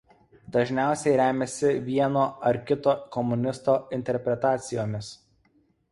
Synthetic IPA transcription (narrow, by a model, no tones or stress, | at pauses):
d̪ɐʒʲnʲæˑʊsʲɛɪɾʲæːmʲɛsʲɪʋʲiɛnoːɐɾkʲɪt̪oːkɔmʊnʲɪst̪oːɪnʲt̪ʲɛɾʲpʲɾʲɛt̪ɑːt̪sʲɪjoːmʲɪs